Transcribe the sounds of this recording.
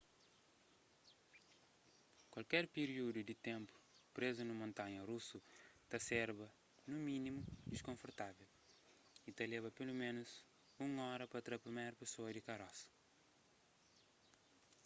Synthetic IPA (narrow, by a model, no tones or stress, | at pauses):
kwɐlkɛɾpiɾiud̪ud̪ɪt̪ẽmpu̥pɾezunɐmõnt̪ãɲɐrusut̪asɛɾbɐ | numĩnimud̪iʃkõfuɾt̪avɛl | it̪alɛvɐpelumẽnuz | ũŋɔɾɐpɐt̪ɾɐpɾimejɾɐpesoɐd̪ikɐɾɔsɐ̥